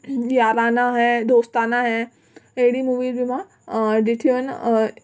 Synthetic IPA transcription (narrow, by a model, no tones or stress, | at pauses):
jaːɾaːnaɦɛd̪oːst̪aːnaɦɛ | eɽimuːʋiɾbʱimã | d̪iʈʰion